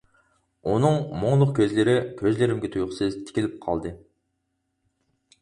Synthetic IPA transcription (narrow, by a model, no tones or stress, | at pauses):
onɨŋmoŋlˠʊq̚kʲʰøzlɪɾɪkʲʰøzlɪɾɪmɡʲet̪ʰujqʰʊsɨzt̪ʰɪ̥kʲilɪp̚qʰɑ̰lˠd̪ɨ